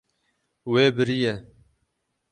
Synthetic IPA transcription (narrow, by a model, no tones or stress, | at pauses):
weːbɨɾijɛ